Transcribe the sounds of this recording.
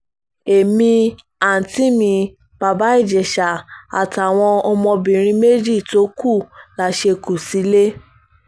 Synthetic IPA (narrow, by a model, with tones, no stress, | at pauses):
e˨mĩ˧ | a˨n̩˨ti˦mĩ˧ | b̥a˧ba˦i˦˨d͡ʒɛ˨ʃa˨a̰˨ta˨w̃ɔ̃˧ɔ˧mɔ̃˧bĩ˨ɾ̃ĩ˧˦me˦d͡ʒi˦˨to˨˦ku˦˨la˨˦ʃe˧ku˨si˨˦le˦